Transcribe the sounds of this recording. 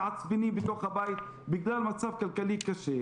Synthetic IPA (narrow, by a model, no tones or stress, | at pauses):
ʕat͡ssbinibet̪oχhabajit̪ | bɪɡlalmat͡sabkalkalikaʃe